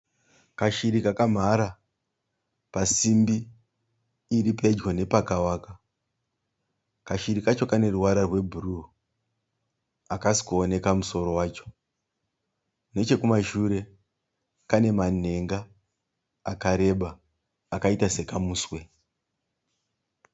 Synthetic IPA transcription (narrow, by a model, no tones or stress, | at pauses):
kaʃiɾikakam̤aɾa | pasimbi | ɾipʰed͡ʒɣone̞pakawaka | kaʃiɾikat͡ʃo̞kane̞ruwaɾarwe̞bʱuru | akasi̥kuone̞kamuso̞ɾo̞waːt͡ʃo̞̥ | ne̞t͡ʃe̞kumaʃuɾe̞ | kane̞man̤e̞ŋɡaː | kaɾe̞ɓaː | kaitase̞kamuːswe̞